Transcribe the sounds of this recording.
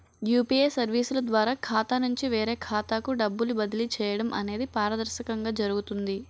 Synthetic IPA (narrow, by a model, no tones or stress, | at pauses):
juːpieːsɐɾʋiːsulɐd̪ʋaːɾaːkʰaːt̪anuɲt͡ʃiʋeːɾeːkʰaːt̪aːkuɖɐbːulubɐd̪ilit͡ʃɛːjɐɽɐmʔɐ̰ne̞ːd̪ipaːɾɐd̪ɐɾʃɐkɐŋɡaːd͡ʒɐɾuɡut̪und̪i